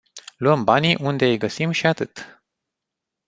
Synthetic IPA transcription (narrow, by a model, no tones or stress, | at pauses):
luəmbaniʔund̪e̞ɨjɡəsimʃiat̪ɨt̪